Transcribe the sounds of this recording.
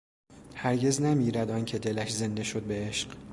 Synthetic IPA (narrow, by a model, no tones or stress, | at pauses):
hæɾɟe̞znæmiːɾæd̪ɒncʰe̞d̪e̞læʃze̞nd̪e̞ʃod̪̚beeʃɢ̥